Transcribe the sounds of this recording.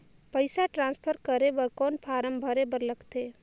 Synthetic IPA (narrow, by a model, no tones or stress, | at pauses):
pəɪsaʈɾãːnspʰəɾkəɾeʋəɾkɔːnpʰaːɾəmbʱəɾebəɾləɡt̪eː